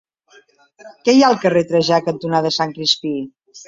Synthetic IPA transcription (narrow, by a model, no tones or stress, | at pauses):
kɛjalˠkəret̪ɾəʒakənt̪unaðəsaŋkɾispi